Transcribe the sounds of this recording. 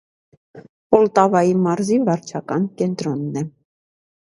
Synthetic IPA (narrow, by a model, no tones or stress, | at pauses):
pɔlt̪ɑvɑjimɑɾzivɑɾt͡ʃʰɑkɑnkɛnt̪ɾɔnːɛ